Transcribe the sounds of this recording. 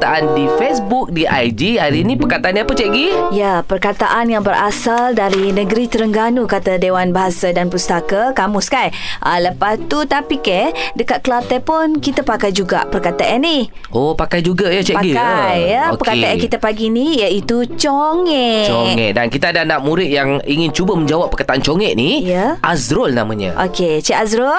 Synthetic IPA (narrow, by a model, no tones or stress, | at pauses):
t̪aʔandifɛsbuk̚diajd͡ʒiaɾinĩpərkat̪aʔaniapət͡ʃɛʔɡijapərkat̪aʔanjaŋbəɾʔasaldaɾinə̃ɡəɾit̪əɾəŋɡanukat̪adewanbaɦasadanpust̪akakamuskajʔələpast̪ut̪apikɛdəkat̪̚kəlat̪ɛpʊnkit̪apakajd͡ʒuɡa̰ʔpərkat̪aʔanːi | opakajd͡ʒuɡajat͡ʃɛʔpaɡiajəpərkat̪aʔankit̪apaɡinijait̪ut͡ʃoŋɛoɛ̰ʔdankit̪aadanaʔ̚muɾɪt̪̚jaŋiŋɪnt͡ʃubəmə̃ɲd͡ʒawapːərkat̪aʔant͡ʃoŋɛʔnijəʔazɾolnamaɲə̰ʔo̰ket͡ʃɛʔazɾol